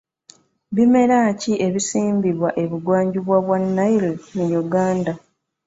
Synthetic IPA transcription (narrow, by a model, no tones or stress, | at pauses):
βime̞ɾaciʔe̞βisiːmbiβwaʔe̞βuɡwaːɲɟuβwaβwanːailnujuɡaːnda